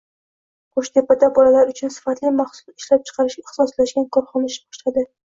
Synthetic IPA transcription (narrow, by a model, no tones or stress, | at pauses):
qʰoʃd̪e̞pːat̪ːabɒlalaɾʊt͡ʃʰʊnsɪ̥fat̪lɪmaχsʊ̥lɪʃlap̚t͡ʃʰɨ̥qʰɑɾɪʃɡʲaɪχsɒslaʃɡʲankʰɒɾχɒnaʃbɒ̥ʃlad̪ɪ